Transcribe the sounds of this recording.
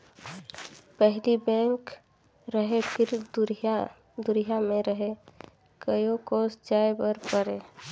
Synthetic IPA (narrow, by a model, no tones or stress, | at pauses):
pɛɦlibɛ̃ːŋk | ɾəɦepʰɪɾ | d̪ʊɾijamẽɾəɦe | kəjokoːsd͡ʒaːebəɾpəɾeː